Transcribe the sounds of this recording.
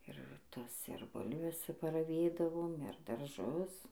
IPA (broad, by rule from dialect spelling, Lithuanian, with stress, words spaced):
ɪr ˈtɐs ɪr ˈbʊlʲʋʲɛs pɐrɐˈʋʲeːdɐʋoːm ɪr dɐrˈʒʊs